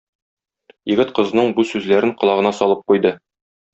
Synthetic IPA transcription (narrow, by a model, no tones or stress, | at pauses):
jɘ̆ɡɘt̪qɤ̆znɤɴbusʉzlæɾɘɴqɤ̆lˠɑʁɤ̆nɑsɒlˠɤp̚qujd̪ɤ